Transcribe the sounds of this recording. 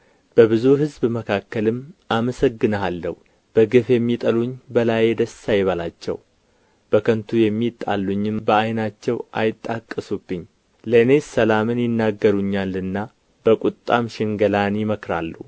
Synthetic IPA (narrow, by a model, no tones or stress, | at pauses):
b̥əβɨzuɦɨzbməkʰakːəlɨmːʔaməsəɡːɨnəalːə̰hu | b̥əɡɨfjɛmːit̪ʼəluɲbəlajed̪əsːajɪβəlat͡ʃːɛ̰w | b̥əkʰənt̪ʰujɛmːit̪ʼa̰lːuɲːɪmbəajnat͡ʃːɛwʔa̰jɪt̪ʼːakʼːəsubːɨɲː | ləɨne̞səlamɨnjɪnːaɡːəɾuɲːalːɨnːa | b̥əkʼut̪ʼːa̰mʃɪŋɡəlanjɪməkɾa̰lːṵ